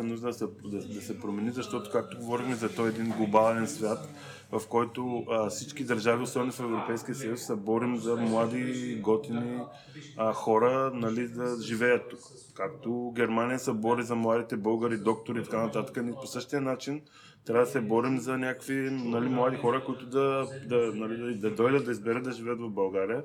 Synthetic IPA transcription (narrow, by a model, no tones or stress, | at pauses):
ɛnuʒd̪əd̪sɛd̪ɐd̪ɐsɛpɾomɛnizɐʃt̪ɔt̪o̥kak̚t̪oɡovɔɾixmɛzɐt̪ɔjɛd̪inɡlˠobalˠɛnsvʲjat̪ | vɐfkɔjt̪oəfsit͡ʃkid̪ɐɾʒaviosɛnofɛvɾopɛjskʲijəsɐjusːɛbɔɾimzɐmlˠad̪iɡɔt̪ini | əxɔɾənɐlid̪ɐʒivɛjət̪ːukː | ak̚t̪oɡ̟ʲɛɾmanijəsɛbɔɾizɐmlˠad̪it̪ɛbɤlˠɡəɾid̪ɔk̚t̪oɾiːt̪ɐkanɐt̪at̪ə̥kəniposɤʃt̪ijənat͡ʃin | t̪ɾʲavəd̪ɐsɛbɔɾimzɐnʲakkvinɐlimlˠad̪ixɔɾəkoit̪ʊd̪ɐd̪ɐnɐlid̪ɐd̪ɐd̪ɔjd̪ət̪ːɐizbɛɾət̪d̪ɐʒivɛət̪vɐvbɐlˠɡaɾijə